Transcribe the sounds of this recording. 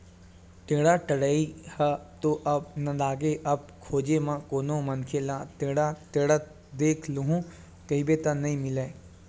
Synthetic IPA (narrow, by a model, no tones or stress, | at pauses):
ʈeːɽaʈɐɽəihɐt̪oʔɐb̚nɐlaːɡeʔɐb̚kʰoːd͡ʒemãkoːnomɐnkʰelãt̪eːɽaʈ̪eːɽə | d̪eːkʰluɦũ | kɐɦibeːt̪ənɐɦĩmɪleː